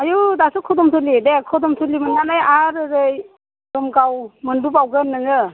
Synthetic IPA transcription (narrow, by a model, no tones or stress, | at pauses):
ajudasukʰɔdɔmtʰulidekʰɔdɔmtʰulimɯnŋanajaɾɯɾɯj | dɔmɡawmɯndupawɡɯnɯŋɯ